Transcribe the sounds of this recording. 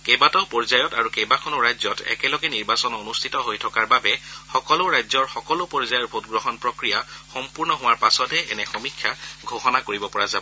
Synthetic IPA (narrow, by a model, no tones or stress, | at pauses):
kejbatɔpɔɹzajɔtaɹukejbakʰɔnɔɹajzɔtɛ̰kɛlɔɡɛniɹbasɔnonustʰitɔɦojtʰɔkaɹbabɛxɔkɔloɹajzɔɹxɔkɔlopɔɹzajɔɹbʱotɡɹɔɦɔnpɹɔkɹijaxɔmpuɹnɔɦʊ̃waɹpasɔtɛɛ̰nɛxɔmikʰːjaɡʱohɔnakoɹibɔpɔɹazabɔ